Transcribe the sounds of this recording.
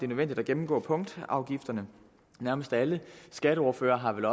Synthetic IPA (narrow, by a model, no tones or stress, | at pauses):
d̥e̝nøðˠʋen̰d̥id̥æɡ̥emm̩ɡ̥ɔ̰ːpʰɔ̽ŋ̰d̥ɑ̈ʊɡ̥ifd̥ɐnə | næɐməsd̥æləsɡ̥æɾəɒːɐfø̰ːɐːɦɑ̈ʋelɒ̽